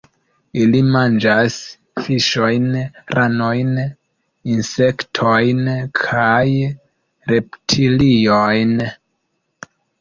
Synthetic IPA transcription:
ilimand͡ʒas | fiʃo̞jnɾano̞jn | inse̞ktʰojnkʰaj | ɾe̞ptʰilijojn

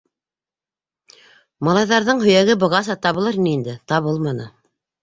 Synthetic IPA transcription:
mɑlˠɑjðɑɾðɤɴhɵ̆jæɡɘbɤ̆ʁɑs̬ɑt̪ɑβɤ̆lˠɤɾniind̪ɘt̪ɑβɤlˠmɑnɤ

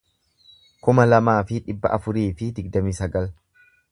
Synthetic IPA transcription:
kʊmɐlɐmaːfɪᶑɪbːɐ̰ʔɐfʊɾiːfɪd̪ɪɡ̚d̪ɐmiːsɐɡɐl

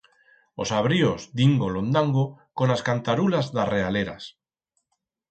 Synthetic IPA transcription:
o̞saβ̞ɾiozd̪iŋɡolo̞nd̪aŋɡoko̞naskant̪aɾulazðare̞aleɾa̰s

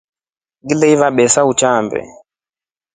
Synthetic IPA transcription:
ɡilɛivaɓɛsaut͡ʃambɛ̰

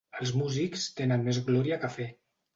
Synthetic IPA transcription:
əlˠzmuzikst̪enənmezɣlɔɾiakafe

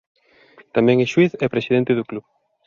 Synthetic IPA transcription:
t̪amɛ̃ŋɛʃwiθɛpɾesiðent̪ɪðʊkluβ

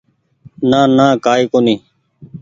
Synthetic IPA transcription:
naːnãːkaːiːkoːnĩː

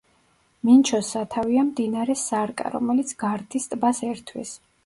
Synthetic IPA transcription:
mint͡ʃʰɔsat̪ʰaviamd̪inaɾɛsaɾkʼa̰ɾɔ̰mɛlit̪sʰɡ̥aɾt̪ʰist̪ʼbasɛɾt̪ʰwḭs

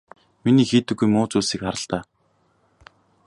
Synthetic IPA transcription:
miniːxiːt̪ɘ̆ɡːujmʊːt͡suːsiːkχaɾə̆ɬt̪aː

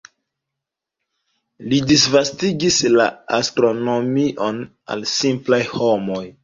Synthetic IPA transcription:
lidisvastiɡislaastɾo̞no̞miʔon | a̰lsimplajhomoj

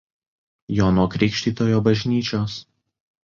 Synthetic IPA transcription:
joːnoːkɾʲɪkʃʲt̪ʲiːt̪oːjoːbɐʒʲnʲiːt͡ʃʲoːs

